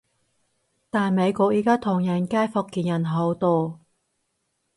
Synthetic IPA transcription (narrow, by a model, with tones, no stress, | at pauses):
t̪aː˨nme˨˧jkʷɔː˧k̚jiː˨˥kaː˥t̪ʰʊ˨˩ŋjɐ˨˩nkaː˥jfɔ˧kːiː˨˩njɐ˨˩nɦo˨˥wt̪ɔː˥